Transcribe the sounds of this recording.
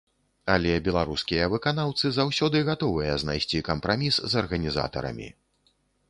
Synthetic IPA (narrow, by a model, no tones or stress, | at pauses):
alʲɛbʲɛlˠaɾuskʲijɐvɨkanawt̪sɨzawsʲɔd̪ɨɣat̪ɔvɨjɐznajsʲt͡sʲikɐmpɾamʲisːɐrɣɐnʲiza̰t̪ɐ̰ɾɐ̰mʲḭ